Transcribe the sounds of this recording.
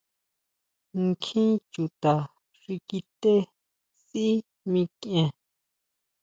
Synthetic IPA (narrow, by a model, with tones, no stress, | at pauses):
ŋ˦kʰĩ˦t͡ʃu˨t̪a˨ | ʐi˧ki˧t̪e˦ | si˦ | mĩ˧kẽ˧